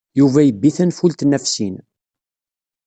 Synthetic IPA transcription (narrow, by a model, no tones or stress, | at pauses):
juvæjəbːiθənfult̪næfsin